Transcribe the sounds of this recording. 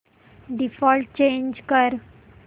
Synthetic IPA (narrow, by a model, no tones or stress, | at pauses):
ɖifɔlʈ̚t͡ɕẽnd͡ʑkəɾ